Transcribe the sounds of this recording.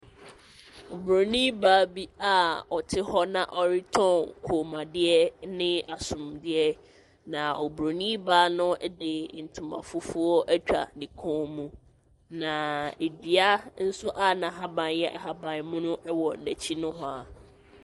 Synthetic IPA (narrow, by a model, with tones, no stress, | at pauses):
o˨bɾo˨nĩ˦baː˦bi˦a˦ɔ˨tʰɪ˦hɔ˦nã̰˨ʔɔ˨ɾɪ˦tʰɔ̃˦˨nkʰoː˨mã˨dɪ˦ɛ˦nɪ̃˦a˨sʊ̃˨mdɪ˦ɛ˦ | nã˨o˨bɾo˨nĩ˦baː˦nʊ̃˦dɪ˨n̩˨tʰʊ̃˨ma̰˨fʊ˦fu˦ɔ˦ʔæ˦t͡ɕᶣa̰˨dɪ˨kʰɔ̃˦mũ˦ | nã˨e˨di˨a˦n̩˦sʊ˦ʔa˦nã˨ɦa˦bã˨n˦jɛ˦ʔa̰˨ha˦bã˨nmʊ̃˦nʊ̃˦ʔwɔ˨n̩˨næ˨t͡ɕʰi˦nʊ̃˦ɦɔ˦a˨